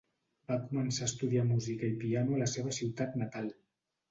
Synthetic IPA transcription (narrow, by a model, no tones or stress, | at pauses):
bakumənsaəst̪uðiamuzikəipianuələseβ̞əsiwt̪at̪nət̪alˠ